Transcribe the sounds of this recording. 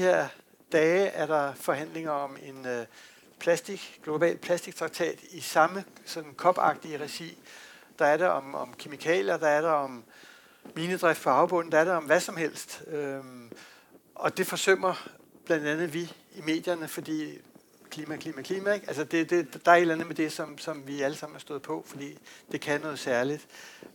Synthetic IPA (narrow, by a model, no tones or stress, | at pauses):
d̥ihe̝ɐ̰ | d̥ɛːɪʔæɐɾɑ̈fɒ̽ɦæn̰le̝ŋɐɒ̽me̝n | pʰlæsd̥iɡ̥ɡ̥lo̝b̥ɛ̰ːld̥̚pʰlæsd̥iɡ̥̚t͡sʰʁɑ̈ɡ̥̚t͡sʰɛ̰ːd̥isɑ̈məsɒ̽d̥n̩kʰɒ̽b̥ɑ̈ɡ̥̚d̥iəʁɛɕḭː | d̥ɑ̈æɐɾeʔɒ̽mɒ̽mkʰe̝mikʰɛ̰ːljɐd̥ɑ̈æɐɾɑɒ̽m | miːnəd̥ʁɛfd̥pʰɒ̽ɑ̈ʊb̥ɔ̽n̰n̩d̥ɑæɐɾeɒ̽mʋæsɒ̽mhel̰sd̥ø | ɒ̽d̥e̝fɒ̽søm̰ɐ | b̥lænd̥ænð̩ˠʋi | ime̝̰ːd̥jɐnəfɒ̽d̥ḭː | kʰliːmækʰliːmækʰliːmæeɡ̥ælsɐd̥e̝d̥e̝d̥ɑ̈æɐe̝dlænð̩ˠmed̥e̝sɒ̽msɒ̽mʋiæləsɑ̈m̰n̩æɐsd̥ɔ̽ð̞̩ˠpʰɒ̽fɒ̽d̥ḭːd̥e̝kʰænɔ̽ːð̞̩ˠsæɐlid̥